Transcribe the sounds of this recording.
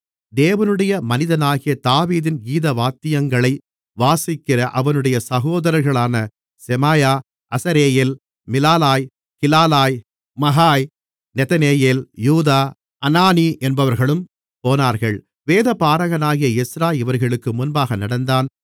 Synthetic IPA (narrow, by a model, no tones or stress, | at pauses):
d̪eːʋɐnɯɽɐjɐmɐnɪðɐnaːɣɪjɐt̪aːʋiːðɪnɡiːðɐʋaːt̪ɪjɐŋɡɐɭɐɪ | ʋaːsɪkːɪɾɐʔɐʋɐnɯɽɐjɐsɐɣoːðɐɾɐɾɣɐɭaːnɐ | sɛmaːjaː | ʔɐsɐɾeːjeːl | mɪlaːlaːj | kɪlaːlaːj | mɐɦaːj | nɛt̪ɐneːjeːljuːðaː | ɐnaːniʔɛnbɐʋɐɾɣɐɭɯm | poːnaːɾɣɐɭ | ʋeːðɐpaːɾɐɣɐnaːɣɪjɐɪsɾaːjɪʋɐɾɣɐɭɯkːɯmʊnbaːɣɐnɐɽɐnd̪aːn